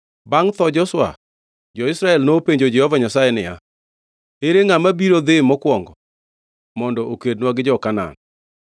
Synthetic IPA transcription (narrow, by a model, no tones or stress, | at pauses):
baŋt̪ɔd͡ʒɔswa̰ | d͡ʒɔɪsɾaɛlnopeɲd͡ʒod͡ʒɛhɔvaɲasajɛnɪja̰ | eɾeŋamabiɾod̪ɪmɔkwɔŋɡɔ | mɔndɔʔokednwaɡɪd͡ʒɔkana̰n